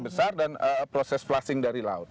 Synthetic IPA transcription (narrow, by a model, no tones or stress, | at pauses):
bəsardanəpɾosɛsflasɪŋdaɾila̰ʊt̪̚